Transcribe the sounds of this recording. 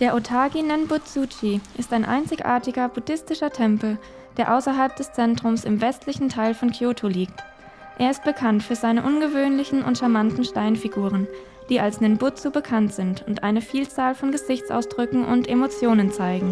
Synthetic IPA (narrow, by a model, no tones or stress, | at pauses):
d̥eːɐʔotʰaːɡinɛnbʊt͡sut͡ʃiʔɪstaɪnʔa̰ɪnt͡sɪçʔa̰ːɐtɪɡɐbudɪstɪʃɐtʰɛmpl̩ | d̥eːɐʔaʊsɐɦalp̚d̥ɛst͡sɛntʁ̥ʊmsɪmvɛstʰlɪçn̩tʰaɪlfɔnkʰjoːtʰoliːk̚t | ʔeːɐɪst̚b̥əkʰantfyːɐzaɪnəʔʊnɡəvøːnlɪçn̩ʊ̰ntʃamantn̩ʃtaɪnfiɡuːʁ̞ən | d̥iːʔalsnɛnbʊt͡subəkʰantz̥ɪntʰʊntʔa̰ɪnəfiːlt͡saːlfɔnɡəzɪçt͡sʔa̰ʊsd̥ʁʏkŋ̩ʔʊ̰ntʔemot͡sjoːnənt͡saɪɡŋ̩